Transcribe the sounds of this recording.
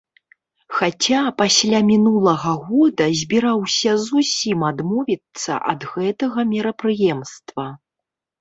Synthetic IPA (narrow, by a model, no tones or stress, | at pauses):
xat͡sʲapasʲlʲamʲinulˠɐɣɐɣɔd̪ɐzʲbʲiɾawsʲɐzusʲimad̪mɔvʲit̪sːɐ̰ʔɐd̪ɣɛt̪ɐɣɐmʲɛɾɐpɾɨjɛmst̪vɐ